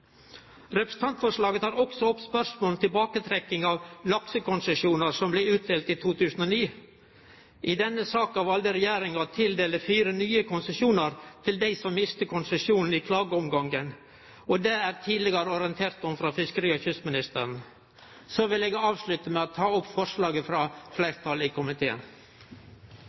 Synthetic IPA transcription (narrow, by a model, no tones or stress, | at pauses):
ɾɛpɾəsn̩t̪ɑnt̪fɔʂlɑːɡət̪ʰɑːɾɔksɔɔpːspœʂmoːlnt̪ʰɪlbɑːkət̪ʰɾɛkːɪŋɑʋlɑksəkʊnsɛʂjuːnəɾsɔmblɛʉːt̪̚d̪eːlt̪it̪ʰuːt̪ʰʉːsn̩oːniː | ʔɪd̪ɛnːəsɑːkɑʋɑld̪əɾɛjæːɾɪŋɑt̪ʰɪld̪eːləfiːɾənyːəkʰʊnsɛʂuːnəɾt̪ʰɪld̪æɪsɔmːɪst̪əkʰʊnsɛʂjuːnn̩ɪkʰlɑːɡəɔmɡɑŋɡən | ɔd̪ɛæːɾt̪ʰiːd̪ləɡəɾəɔɾɪənt̪ʰeːɾt̪ɔmfɾɑfɪskəɾiːɔçʏsmɪnɪst̪əɾn̩ | sɔʋɪleːɡɑːʋslʉt̪əmɛɑt̪ʰɑːʊpːfɔʂlɑːɡəfɾɑflæɪɾt̪ʰɑlɪkʰʊmɪt̪ʰeːə̰n